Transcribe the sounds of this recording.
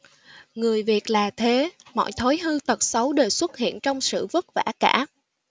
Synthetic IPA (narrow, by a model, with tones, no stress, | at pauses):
ŋɨ˨˩əjvi˨˩ət̚laː˨˩t̪ʰe˨˦mɔ̰˧˨jt̪ʰo˨˦jɦɨ˧t̪ə˨˩t̚sə˨˦wɗe˨˩swə˦˥t̚hḭ˧˨ənt͡ɕɔ˧wŋ͡msɨ̰˧˨və˦˥t̚va̰ː˧˩kaː˧˥